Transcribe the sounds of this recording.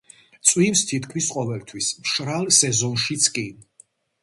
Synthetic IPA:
t̪sʼwimst̪ʰit̪ʰkʰmisqʼɔvɛlt̪ʰwismʃɾalsɛzɔnʃit̪sʰkʼi

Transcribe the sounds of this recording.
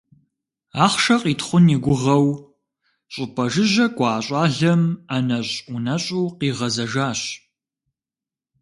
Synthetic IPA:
aːχʃɐqiːtχʷʊniɡʷʊʁɐw | ɕʼʊpʰʼɐʒɪʑɐkʷʼɑːɕʼɑːɮɐmanɐɕunɐɕʼuːqiːʁɐzɐʒaːɕ

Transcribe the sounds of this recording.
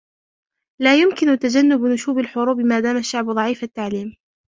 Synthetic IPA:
laːjʊmkɪnʊt̪ad͡ʒanːʊbnʊʃuːbalħʊɾuːbɪmaːd̪aːmaʃːaʕbd̪ˤɑʕiːfat̪ːaʕliːm

